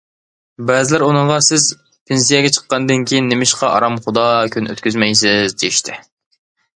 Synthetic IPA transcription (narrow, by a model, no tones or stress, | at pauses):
bɛzɪlæɾunɨɴʁɑsɪz | pʰens̬ijɛɡʲɛt͡ʃʰə̥qːɑnɨd̪ɨnkʲʰijinːemɪʃqɑʔɑ̰ɾɑmχʊd̪ɑːkʰʲynø̰t̪kʲyzmɛjsɪzd̪ejiʃt̪ʰɪ